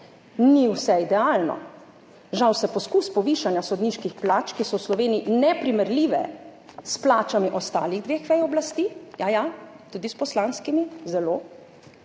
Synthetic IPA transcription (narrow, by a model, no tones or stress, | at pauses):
niwsɛid̪ɛaːlnɔ̰ | ʒawsɛpɔskuspɔʋiʃanjasɔd̪niːʃkixplaːt͡ʃkisɔwslɔʋeːniinɛpɾimɛɾliːʋɛ̰splaːt͡ʃamiʔɔst̪aːliɣd̪ʋeːxʋɛjɔblast̪iːjaja | t̪uːd̪ispɔslanskimizɛlo